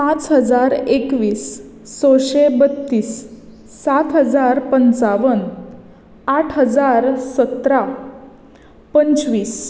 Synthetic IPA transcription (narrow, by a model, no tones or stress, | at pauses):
pãt͡sɦəd͡zaɾekʋiːs | t͡sɔɕebət̪ːiːsː | at̪ɦəd͡zaɾpənt͡saʋən | aʈʰɦəd͡zaɾsət̪ɾa | pənt͡sʋiːs